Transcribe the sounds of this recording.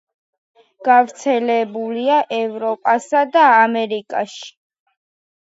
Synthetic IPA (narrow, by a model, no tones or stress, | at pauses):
ɡ̥avɾt̪sʰɛlɛbuliaʔɛvɾɔpʼasad̪aːmɛɾikʼa̰ʃi̥